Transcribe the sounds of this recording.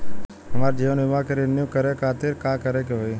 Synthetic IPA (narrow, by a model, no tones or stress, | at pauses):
əmaːɾd͡ʒeʋnɪʋãkeɾenjukəɾekʰat̪ɪɾkãkəɾekeɦoj